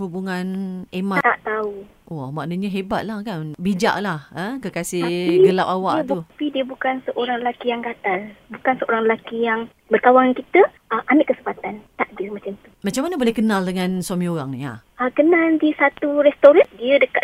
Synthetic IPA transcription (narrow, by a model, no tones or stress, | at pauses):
hubuŋanemaaʔt̪au | ʔɔmaʔnəɲəɦeba̰t̪̚lahkanbid͡ʒa̰ʔlahəkəkasɪɡəlap̚awa̰ʔ̪upidiəbukansəʔoɾaŋɾəlakijaŋkat̪albukansəoɾaŋrəlakijaŋ | bərkawaŋankit̪əʔəʔanaʔkəsəmpat̪ant̪aʔdirmat͡ʃamt̪u̥mat͡ʃamːanəbolɛhkənaldəŋãnswamĩoɾaŋnia̰ | əkənaldisat̪uɾɛst̪oɾat̪̚diədəka